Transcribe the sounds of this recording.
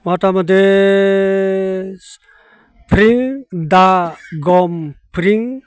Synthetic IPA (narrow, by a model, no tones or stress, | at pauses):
mɔtamade | pɾiŋdaɡɔmpɾiŋ